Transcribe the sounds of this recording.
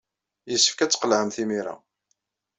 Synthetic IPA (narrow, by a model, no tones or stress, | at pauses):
jəsːə̥fkæt͡sːqəlʕəmθimiɾa̰